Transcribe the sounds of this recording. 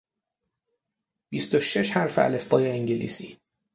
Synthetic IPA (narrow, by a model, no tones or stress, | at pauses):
b̥ist̪o̞ʃe̞ʃhæɾfeæ̰lefbɒːjeːŋɟelḭːsiː